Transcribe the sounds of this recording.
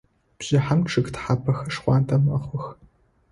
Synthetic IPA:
b̥ʑ̥ɪħamʈ͡ʂʰɨɡtħapʰɐxɐʂχʷɑːntʼɐmɐχʷʊx

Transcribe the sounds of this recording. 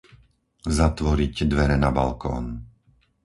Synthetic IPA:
zat̪ʋɔɾicd̪ʋɛɾɛnaba̰lkɔ̰ːn

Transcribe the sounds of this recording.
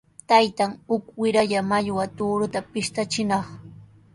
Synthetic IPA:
t̪ajt̪aŋhʊkwɪɾaʎamaʎwat̪uːɾʊt̪apɪʃt̪at͡ʃɪnɑχ

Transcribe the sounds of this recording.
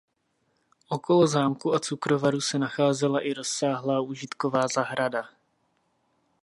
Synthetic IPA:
ʔoko̞lo̞zaːmkuat͡sukɾo̞vaɾusɛnaxaːzɛlaʔɪɾo̞sːaːɦlaːʔuːʒɪt̪ko̞vaːzaɦɾada

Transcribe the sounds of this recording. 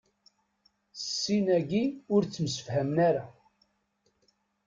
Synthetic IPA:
sːinæɡiʊɾt͡sːəmsə̥fhæmnaɾa

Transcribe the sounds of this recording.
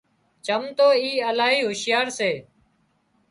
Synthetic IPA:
t͡ʃəmt̪oːiːəlaːɦiːɦʊʃɪjaːɾseː

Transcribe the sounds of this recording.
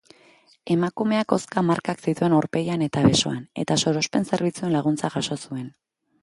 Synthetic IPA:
e̞makume̞ako̞skamaɾkaksit̪ue̞noɾpe̞jane̞t̪aβe̞so̞̰ane̞̰t̪aso̞ɾo̞spe̞nse̞ɾβ̞it͡sue̞nlaɣ̞unt͡saʝaʃo̞sue̞n

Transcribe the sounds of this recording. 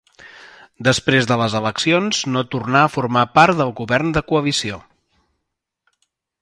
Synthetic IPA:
d̪əspɾezðələzələksionznot̪urnaəfurmapaɾt̪d̪əlˠɣuβɛrnd̪əkuəβisio

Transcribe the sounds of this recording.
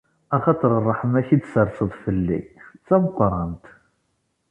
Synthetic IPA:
æχɑt̪ˤəɾˤərˤːəħəmæçid̪səɾsəðˤfəlːḭt͡sːæməqːɾˤɑnt̪

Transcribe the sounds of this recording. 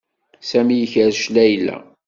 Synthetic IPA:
sæmijəçəɾʃlæjlːæ̰

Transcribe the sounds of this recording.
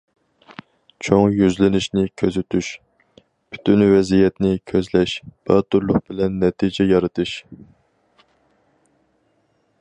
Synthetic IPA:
t͡ʃʰoŋjyzlɪnɪʃnɪkʲʰøzɪt̪ʰyʃ | pʰy̥t̪ʰynvɛzijɛt̪nɪkʲʰøzlɛʃb̥æɾt̪ʰuɾlˠʊq̚bɪlɛnːɛt̪ʰid͡ʒɛjɑɾɨt̪ʰɨʃ

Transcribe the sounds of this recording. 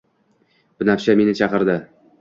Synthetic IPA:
bɪnafʃame̞nɪt͡ʃʰɑqɨɾd̪ɪ

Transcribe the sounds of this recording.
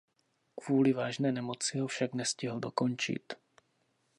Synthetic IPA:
kvuːlɪvaːʒnɛːnɛmo̞t͡sɪɦofʃaknɛscɪɦl̩do̞ko̞nt͡ʃɪ̰t̪

